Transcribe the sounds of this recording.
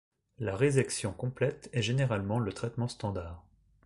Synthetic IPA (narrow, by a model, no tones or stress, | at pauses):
laʁezaksjɔ̃kɔ̃plɛt̪ɛʒeneʁalmɑ̃lət̪χɛt̪mɑ̃st̪ɑ̃d̪aːʁ